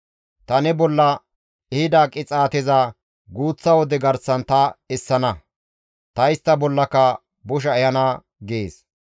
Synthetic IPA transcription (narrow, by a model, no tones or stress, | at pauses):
t̪ɐnɛbɔlːɐ | ɛhɪd̪aːkʼɪt͡sʼaːt̪ɛzɐ | ɡuːt͡sːɐwɔd̪ɛɡɐɾsɐnt̪ɐɛsːɐnɐ | t̪ɐjɪst̪ːɐbɔlːɐkːɐ | bʊʃ̬ɐɛjɐnɐ | ɡeːs